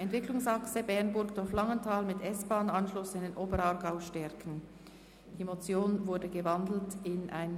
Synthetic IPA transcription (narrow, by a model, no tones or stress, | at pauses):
ʔɛntv̥ɪklʊŋsɑksəbɛʁnbʊɾkd̥ʊflɑŋəntʰaːlmɪtʰɛsb̥aːnɑnʃlʊsaɪndenʔoːbəɾɑːʁɡaʊʃtɛʁkn̩ | d̥iːmot͡sjoːnvʊɐdəɡəvɑndl̩tɪnʔa̰ɪn